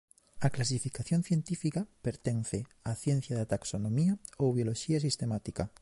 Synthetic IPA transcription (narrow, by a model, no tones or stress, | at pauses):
aklas̬ifikaθjonθje̞nt̪ifikapeɾt̪en̟θeaθjen̟θjaðat̪aksonõmiaoβjoloʃiasist̪emat̪ika